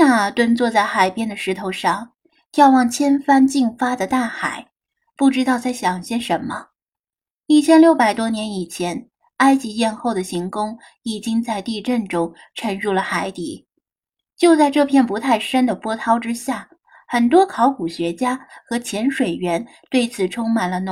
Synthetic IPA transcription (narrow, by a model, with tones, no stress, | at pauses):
na˥˩t̪wə˥nt͡swɔ˥˧t͡sa˥˩ɪxa˨˩ɪpjɛ˥nd̪ə˨ʂɻ̩˧˥t̪ʰo˧˥ʊʂɑ˥˩ŋ | t̪jɑ˥˧ʊwɑ˥˩ŋt͡ɕʰjɛ˥nfa˥nt͡ɕi˥˩ŋfa˥d̪ə˨t̪a˥˩xa̰˨˩˦ɪ | pu˥˩ʈ͡ʂɻ̩˥t̪ɑ˥˧ʊt͡sa˥˩ɪɕjɑ˨˩ŋɕjɛ˥˩nʂə˧˥nmə˧ | i˥˩t͡ɕʰjɛ˥nljo˥˩ʊpa˨˩ɪt̪wɔ˥njɛ˧˥ni˨˩t͡ɕʰjɛ˧˥n | a˥ɪt͡ɕi˧˥jɛ˥˧nxo˥˩ʊd̪ə˩ɕi˧˥ŋkʊ˥ŋ | i˨˩t͡ɕi˥ŋt͡sa˥˧ɪt̪i˥˧ʈ͡ʂə˥˩nʈ͡ʂʊ˥ŋ | ʈ͡ʂʰə˧˥nɻu˥˩lə˩xa˧˥ɪt̪i˨˩˦ | t͡ɕjo˥˧ʊt͡sa˥˧ɪʈ͡ʂɤ˥˧pʰjɛ˥˩npu˧˥t̪ʰa˥˩ɪʂə˥nd̪ə˨pwɔ˥t̪ʰɑ˥ʊʈ͡ʂɻ̩˥ɕja˥˩ | xə˨˩nt̪̬wɔ˥kʰɑ˧˥ʊku˨˩ɕɥɛ˧˥t͡ɕja˥xɤ˧˥t͡ɕʰjɛ˧˥nʂwe˨˩ɪɥɛ˧˥n | t̪we˥˩ɪt͡sʰɹ̩˨˩ʈ͡ʂʰʊ˥ŋma˨˩nlə˦n˧